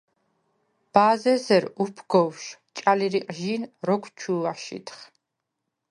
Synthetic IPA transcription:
b̥aːzɛsɛɾupʰɡɔwʃt͡ʃʼaliɾiqʼʒiːnɾɔkʰt͡ʃʰuːaʃḭt̪ʰχ

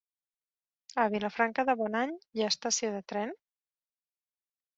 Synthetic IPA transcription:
əβiləfɾaŋkəðəβɔnaɲjaəst̪əsioðət̪ɾɛn

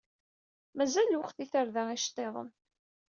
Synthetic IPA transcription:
mæzælːwəqθiθəɾðæiʃt̪ˤːeðˤə̰m

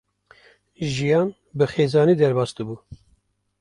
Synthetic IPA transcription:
ʒijɑːn | bɨxeːzɑːniːd̪ɛɾbɑːsd̪ɨbuː

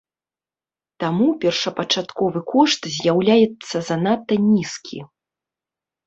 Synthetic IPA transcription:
t̪amupʲɛrʂɐpɐt͡ʂat̪kɔvɨkʰɔʂt̪zʲjawlʲajɛt̪sːɐzɐnat̪ːɐnʲiskʲʰḭ

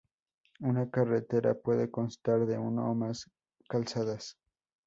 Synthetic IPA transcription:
unakaret̪e̞ɾa̰pwe̞ðeko̞nst̪aɾðe̞uno̰mas | kalsaðas

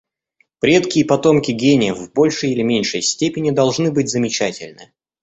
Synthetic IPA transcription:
pɾʲe̞t̪kʲɪjəpɐt̪o̞mkʲɪɡʲenʲɪjəvbo̞lʲʂɨjɪlʲɪmʲenʲʂɨjsʲtʲepʲɪnʲɪd̪ɐlˠʐnɨbɨtʲzəmʲɪt͡ɕætʲɪlʲnɨ̰

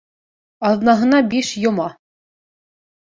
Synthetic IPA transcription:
ɑðnɑɦɤ̆nɑbiʃjŏmɑ

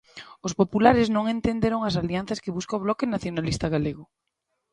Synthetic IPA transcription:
ospopulaɾɪznõŋent̪end̪eɾoŋas̬alianθɐskɪβuskaoβ̞lɔkɪnaθjonalist̪aɣaleɣʊ

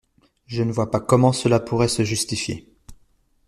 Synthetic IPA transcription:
ʒənəvwapakɔmɑ̃səlapʰuʁɛsəʒyst̪ifjḛ

